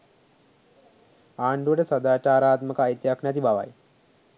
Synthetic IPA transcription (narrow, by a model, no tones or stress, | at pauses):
aːɳɖuʋəʈəsad̪aːt͡ʃaːɾaːt̪məkəajt̪jaknæt̪ibaʋa̰j